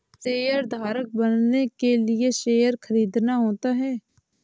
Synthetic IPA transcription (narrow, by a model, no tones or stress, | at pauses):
ʃeːjəɾd̪ʱaːɾək̚bɐnnekelieʃeːjəɾxəɾiːd̪naɦoːt̪aɦɛː